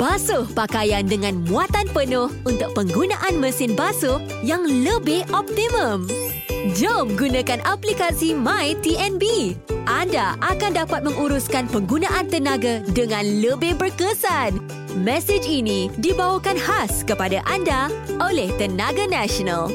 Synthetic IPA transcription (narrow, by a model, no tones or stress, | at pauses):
b̥asʊhpakajandəŋãnmũat̪anpənʊhunt̪ʊk̚pəŋɡunãʔanməsɪnbasʊh | jaŋləbɪhɔp̚t̪imə̃m | d͡ʒəmɡunãkanʔaplikasimãjt̪iɛnbiʔandaʔakandapat̪̚mə̃ŋuɾuskanpəŋɡunãʔant̪ənãɡadəŋãnləbɪhbərkəsan | mɛsɪd͡ʒinĩdibawəkanhaskəpadaʔandaʔolɛht̪ənaɡanaʃɔna̰l